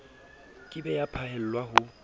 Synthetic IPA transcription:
kʼɪbɛjapʰahɛl̩lwaɦʊ

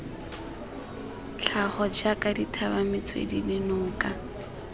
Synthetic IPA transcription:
t͡ɬʰaχɔd͡ʒakaditʰabamɪt͡sʰwḛdidɪnʊːkʼa

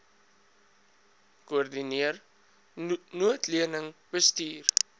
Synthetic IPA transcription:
koərdiniər | nuətliənəŋbəstiːr

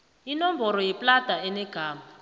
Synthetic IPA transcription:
inɔmbʱɔɾɔjɛpʼlad̥ʱaɛnɛɡ̥ʱaːma

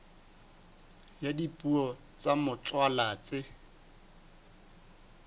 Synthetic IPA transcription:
jadipʼuɔ | t͡samʊt͡ɬʼwalaːt͡sɪ

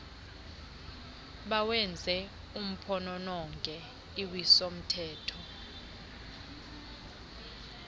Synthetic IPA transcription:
ɓawɛnd͡zʱɛ | um̩pʰɔnɔnɔŋɡʱʼɛ | iwisom̩tʰɛːtʰɔ

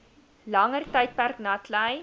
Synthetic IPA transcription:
lɐŋərtəjt̚pærknɑtʰlɛj

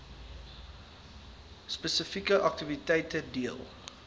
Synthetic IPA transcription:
spəsəfikəʔɐk̚tivitɛjtədiəlˠ

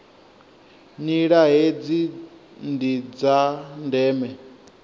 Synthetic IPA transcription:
niɺaɦed͡zindid͡zandɛːmɛ

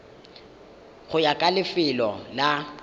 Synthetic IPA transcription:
χʊjakʼalɪfɪlɔla

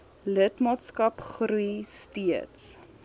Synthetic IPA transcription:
lətmɑːtskɐpχɾujstiəts

